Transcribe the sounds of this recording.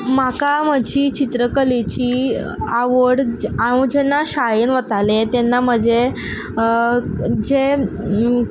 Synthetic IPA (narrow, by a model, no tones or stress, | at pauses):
makaməd͡ʑiːt͡ɕit̪ɾəkəlet͡ɕiː | aʋəɽaũd͡ʑenːaɕajinʋət̪alet̪enːam̤əd͡ʑe | d͡ʑe